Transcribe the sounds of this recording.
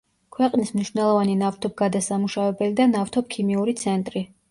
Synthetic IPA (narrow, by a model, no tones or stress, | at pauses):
kʰwɛqʼnismniʃvnɛlˠɔvaninaft̪ʰɔb̚ɡad̪asamuʃavɛbɛlid̪anaft̪ʰɔp̚kʰimiuɾit̪sʰɛnt̪ʼɾi